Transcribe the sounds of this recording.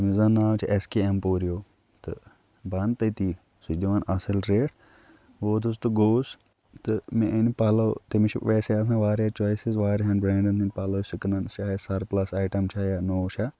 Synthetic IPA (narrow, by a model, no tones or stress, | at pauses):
mizɐnaːʋt͡ʃʰiʔeskeːempoːɾijoː | t̪ɨ̰ | bɐnt̪ɐt̪iː | sut͡ʃd̪iʋaːnɐsɪlɾeːʈ | ʋoːd̪ʰus̬t̪uɡoːs | t̪ɨmẽʔinpaːloːt̪imit͡ʃʰʋeːseɐs̬ãːʋaːɾat͡ʃoːisizʋaːɾɦɐnbɾeːɳɖɐnt̪inpaːloːsiknɐnt͡ʃaːesɐɾplɐsaːʈɐmt͡ʃʰaːjanoːt͡ʃʰa